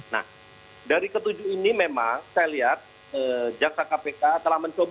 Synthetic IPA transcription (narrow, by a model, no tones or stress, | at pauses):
na̰h | daɾikət̪ud͡ʒuinimemaŋsajaliɦat̪̚ | əd͡ʒak̚sakapekat̪əlahmənt͡ʃob